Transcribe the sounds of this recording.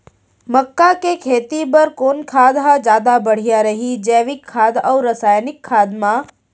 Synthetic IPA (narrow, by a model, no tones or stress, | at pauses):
məkːakekʰeːt̪ipɐɾkoːnkʰaːd̪ɦad͡ʒjaːd̪abəɽ̤ijaɾɐɦid͡ʒɛːʋɪkʰːaːd̪ɔwɾəsaːjnɪkʰːaːd̪mã